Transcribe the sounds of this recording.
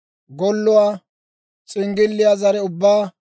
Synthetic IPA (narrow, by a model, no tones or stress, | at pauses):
ɡɔlːʊwaː | t͡sʼɪŋɡɪlːɪjaːzɐɾɛʊbːaː